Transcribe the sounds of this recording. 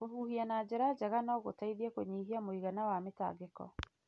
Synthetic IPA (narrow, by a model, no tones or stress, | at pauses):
oɦuhianad͡ʑeɾad͡ʑaɣanɔɣotaiðiakoɲiɦiamoiɣanawameta̰ɡekɔ̰